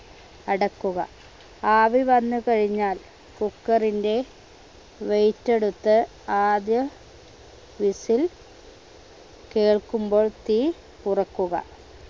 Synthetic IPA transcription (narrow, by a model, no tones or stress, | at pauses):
ɐɽɐkːuɣɐ̰ | aːʋiʋɐnːukɐɻiɲːaːl | kukːɐrinde̞ | ʋe̞jtːe̞ɽut̪ːɨ | aːd̪jɐ | ʋisil | ke̞ːɭkumbo̞ːɭt̪iː | purɐkːuɣɐ̰